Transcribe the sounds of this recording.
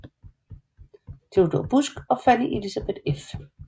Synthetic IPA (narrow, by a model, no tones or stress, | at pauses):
d̥e̝ʊd̥ob̥usɡ̥ɒ̽fæniʔelisab̥ed̥ef